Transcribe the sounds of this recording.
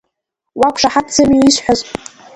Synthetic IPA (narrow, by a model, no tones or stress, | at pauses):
wakʷʰʂaħadt͡sʰɨmiiʃħʷᶣazʼ